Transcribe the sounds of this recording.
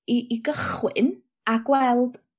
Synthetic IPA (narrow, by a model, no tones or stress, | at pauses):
iːɡəχwɨ̰n | aɡwɛlˠd̥